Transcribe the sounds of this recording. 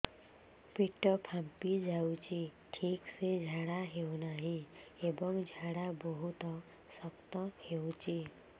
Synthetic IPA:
piʈɔpʰampid͡ʒawt͡ʃiʈʰiksed͡ʒʱaɽaɦewnaɦĩebɔŋd͡ʒʱaɽabɔɦut̪ɔ | sɔkt̪ɔhewt͡ʃi

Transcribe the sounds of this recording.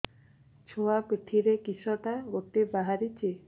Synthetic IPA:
t͡ʃʰoakʈ̪ʰiɾekisɔʈaɡot̪ːibaɦaɾit͡ʃʰi

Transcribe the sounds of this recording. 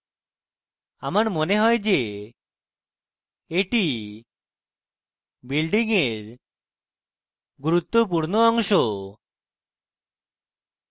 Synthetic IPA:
amaɾmoneɦɔed͡ʒe | eʈi | bilɖiŋeɾ | ɡuɾut̪ːop̬uɾnoɔŋʃo

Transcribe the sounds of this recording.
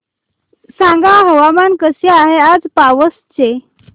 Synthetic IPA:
sãŋɡaɦəʋamankəseaɦead͡zpaʋəst͡ɕe

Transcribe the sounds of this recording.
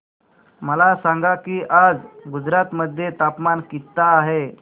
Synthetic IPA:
məlasãŋɡakiːʔad͡zɡud͡zɾat̪məd̪ʱjet̪apmankit̪ːaːɦe

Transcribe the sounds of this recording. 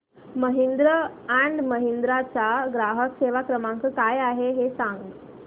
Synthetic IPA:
məɦind̪ɾəaɳɖməɦind̪ɾat͡saɡɾaɦəkseʋakɾəmãŋkkajaɦeɦesãŋɡ

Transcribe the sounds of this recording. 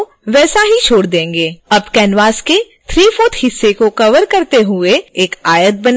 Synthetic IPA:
ʋɛːsaɦit͡ʃʰoːɽd̪ẽːŋɡeːɐbkɛːnʋaːske | t̪ʰɾiːfoːt̪hɪsːekokɐʋəɾkɐɾt̪eɦʊeeːkaːjət̪̚bɐn

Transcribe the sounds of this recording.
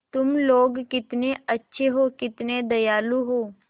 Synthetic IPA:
t̪ʊmloːɡkɪt̪neɐtːʃʰeɦokɪt̪ned̪ɐjaːluɦoː

